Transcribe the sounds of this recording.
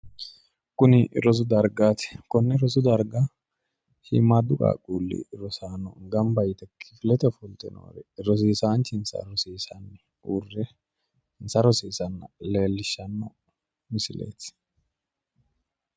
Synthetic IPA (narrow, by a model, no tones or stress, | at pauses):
kʊnɪʔɾɔz̬ʊd̪ɐɾɡaːt̪ɛ̥kɔnːɛɾɔzʊd̪ɐɾɡa | hɪ̰mːad̪ʊkʼa̰ːkʼuːlːɪ̰ɾɔsaːnɔɡɐmbɐjt̪ɛkʰːɪ̥fɪlɛt̪ɛfʊlt̪ʼɪno̰ːɾɛɾɔs̬iːsaːnt͡ʃɪnsɐ̰ɾɔsiːsɐnː | uːrːɛ | nsɐɾɔsiːsɐnːɐle̞ːlːɪʃːɐnːɔ | mɪsɪlḛːt̪